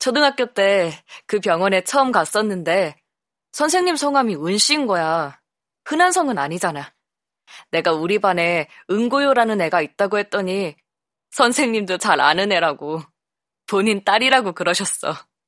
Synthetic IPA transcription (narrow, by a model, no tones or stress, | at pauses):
t͡ɕʰʌdɯŋɦak͈̚jot͈e̞kɯpjʌŋwʌne̞t͡ɕʰʌɯmkas͈ʌnːɯnde̞ | sʰʌns̬ʰe̞ŋɲimsʰʌŋɦwamiɯnɕ͈inɡʌja | hɯnansʰʌŋɯnaɲid͡ʑanaj | ne̞ɡauɾibane̞ɯŋɡojoɾanɯnːe̞ɡait̚t͈aɡohe̞t̚t͈ʌɲi | sʰʌnsʰe̞ŋɲimdot͡ɕaɾa̰nɯne̞ɾaɡo | poɲint͈aɾiɾaɡokɯɾʌɕʰʌs͈ʌ